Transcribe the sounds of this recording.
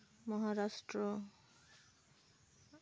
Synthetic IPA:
mɔɦaɾaʃʈɾo

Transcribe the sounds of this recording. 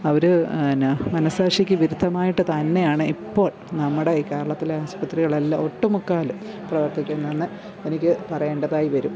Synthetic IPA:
ɐʋɐɾunmɐnɐsaːʂikʲːɨʋiɾud̪ʱːɐmaːjiʈːɨt̪ɐnːe̞jaːɳɨipːo̞ːɭ | nɐmːuɽeiːke̞ːɾɐɭɐt̪ːileaːspɐt̪riɣɐɭɐlːao̞ʈːɨmukːaːlum | prɐʋɐrt̪ikʲːunːɐenːɨ | enikʲːɨpɐrɐje̞ːɳɖɐðaːjiʋɐɾum

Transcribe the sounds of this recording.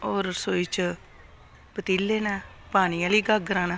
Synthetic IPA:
oːɾsoːit͡ʃ | pət̪iːlːeːnaːpaːñiːãːliːɡaɡɾãːnãː

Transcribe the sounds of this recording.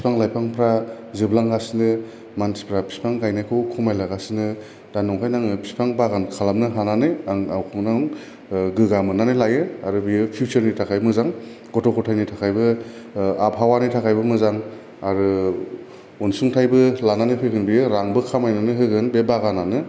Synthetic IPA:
pispʰaŋlajpʰaŋpʰɾa | zɯblaŋɡasinɯ | mansi̥pʰɾapʰi̥spaŋɡajnajkʰɯwkʰumajlaɡasinɯ | d̥anɔŋkʰajnaŋɯpʰi̥spʰaŋbaɡankʰalamnɯɦananɯaŋawkʰɯŋnaŋ | ɡɯɡamɯnanɯlajɯaɾɯbiɯpʰijut͡ʃɯɾnitʰakʰajmɯzaŋ | ɡɔtʰɔkʰɔtʰajnɯjtʰakʰajbɯ | apɦawanɯjtʰakʰajbɯmɯzaŋ | aɾɯ | unsuŋtʰajbɯlananɯpʰɯkɯnbijɯɾaŋbɯkʰamajnanɯɦɯɡɯnbebaɣananɯ

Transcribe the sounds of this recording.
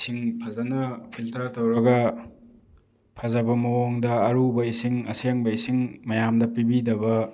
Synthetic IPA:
siŋpʰɐzɐnɐpʰiltɐɾtɐwɾɐɡɐ | pʰɐzɐbɐmɐwoŋdɐːɾubɐisiŋɐseŋbɐisiŋmɐjamdɐpibidɐbɐ

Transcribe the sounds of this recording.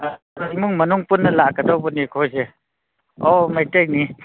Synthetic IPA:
ɾamuŋmɐnuŋpunːɐlakədɔwbɔnikʰojse | ɔmajtej̚ni

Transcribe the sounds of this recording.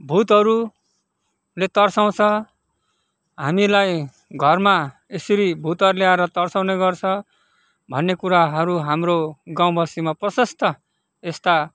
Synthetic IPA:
bʱut̪ɦʌɾu | let̪ʌrsaw̃t͡sʰʌ | ɦa̰milaj | ɡʱʌrma | esʌɾibʱut̪ʌɾuleaeɾʌt̪ʌrsaw̃neɡʌrt͡sʰʌ | bʱʌnːekuɾaɦʌɾuɦamroɡãw̃bʱʌsimaprʌsʌst̪ʌ | est̪a

